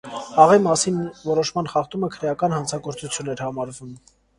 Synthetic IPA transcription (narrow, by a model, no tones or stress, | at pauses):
ɑʁimɑsinvɔɾɔʃmɑn̪χɑχt̪uməkʰəɾɛjɑkɑnhɑnt͡sʰɑɡɔɾt͡sut͡sʰjunɛɾhɑmɑɾvum